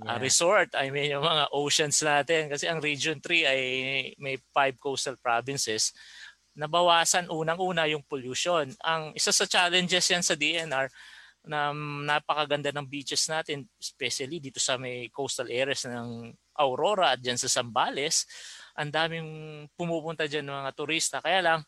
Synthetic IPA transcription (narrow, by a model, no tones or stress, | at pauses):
ʔɐɾɛsoɹt̪ɐjmɛnʊŋmɐŋaʔowʃɐnsnaːt̪ɛnkɐsɛʔɐŋɾid͡ʒont̪ɾiɐjmɐjpajb̚kowst̪ɐlpɹabɪnsɛs | nɐbɐwaːsɐnʔuːnɐŋʔuːnɐjʊŋpoluʃonɐŋʔɪsasɐt͡ʃaːlɛnd͡ʒɛsjansɐd̪iʔɛnɐɹ | nɐnaːpɐkɐɡɐnd̪anɐŋbit͡ʃɛsnaːt̪ɛnɛspɛʃɐlid̪iːt̪o̞sɐmɐjkowst̪ɐlʔɛːɾɐsnɐŋ | ʔɐwɾo̞ɾɐɐt̪̚d͡ʒansɐsɐmbaːlɛsʔɐnd̪aːmɪŋpʊmuːpʊnt̪ɐd͡ʒanɐmɐŋat̪ʊɾist̪ɐkɐjaːlɐŋ